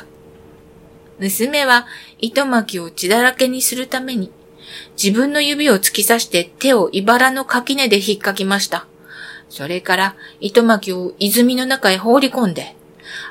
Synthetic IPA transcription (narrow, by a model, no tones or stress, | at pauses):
mɯ̟sɨme̞βait̪o̞makʲio̞t͡ɕid̪aɾake̞ɲ̟isɨɾɯ̟t̪ame̞ɲ̟i | d͡ʑibɯ̟̃nːo̞jɯ̟bʲio̞t͡sɨ̥kʲisaɕi̥t̪e̞t̪e̞o̞ʔibaɾano̞kakʲine̞d̪e̞çikːakʲimaɕi̥t̪a | so̞ɾe̞kaɾait̪o̞makʲio̞izɨmʲino̞nakaiɦo̞ːɾʲikõ̞nd̪e̞